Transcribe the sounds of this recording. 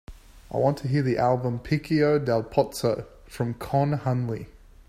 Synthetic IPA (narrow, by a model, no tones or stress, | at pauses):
aɪwɑ̃ntʰəɦiəðiʔælˠbə̃mpʰikioʊdælˠpʰɑtsə | fɹə̃mkʰɑ̃nhʌ̃nli